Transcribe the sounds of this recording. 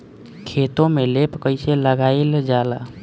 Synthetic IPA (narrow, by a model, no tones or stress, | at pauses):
kʰet̪õmelepkəɪseləɡaeld͡ʒala